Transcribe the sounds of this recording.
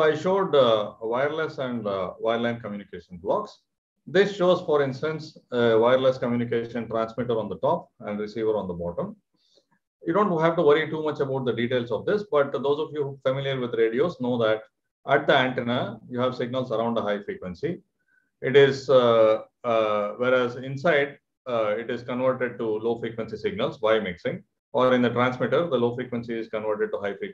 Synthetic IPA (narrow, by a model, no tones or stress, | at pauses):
oaɪʃoːɖʋaɪəɾlesɛ̃ɳɖʋaɪɾlãɪ̃nkəmjuːnɪkeːʃə̃nblɔːks | d̪ɪsʃoːzfɔɾɪ̃nsʈə̃nseʋaɪəɾleskə̃mjuːnikeːʃə̃nʈɾæ̃ːnsmɪʈəɾɔ̃ːnd̪əʈɔːp̚ɛ̃ɳɖɾɪsiːʋəɾɔ̃ːnd̪əbɔːʈə̃m | juːɖõːɳʈɦæʋʈuʋʌɾiʈuːmʌt͡ʃəbaʊʈ̚d̪əɖiːʈeːlsɔʋd̪ɪsbʌʈ̚d̪oːzɔːʋjuːhuːfəmɪliəɾʋɪd̪ɾeːɖioːsnoːd̪æʈ | ʔæʈ̚d̪iæ̃ɳʈɛnəjuːɦæʋsɪɡ̚nəlsɐɾãʊ̃ɳɖd̪əɦaɪfɾiːkʋə̃nsi | ɪʈɪz | ʋeːɾæzɪ̃nsaɪɖ | ɪʈɪzkə̃nʋəɾʈeɖ̚ʈuloːfɾiːkʋə̃nsisɪɡ̚nəlsʋaɪmɪksɪ̃ŋ | ɔːɾɪ̃nd̪əʈɾæ̃ːnsmɪʈəɾd̪əloːfɾiːkʋə̃nsiɪzkə̃nʋəɾʈeɖ̚ʈuɦaɪfɾiːk